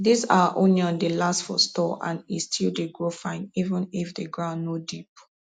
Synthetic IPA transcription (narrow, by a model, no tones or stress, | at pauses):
disaʔõnliɔ̃ndelastfɔ̰stɔʔã̰nistʰildeɡɹofãɪ̃nivə̃nifdeɡɹãʊ̃ndnodip̚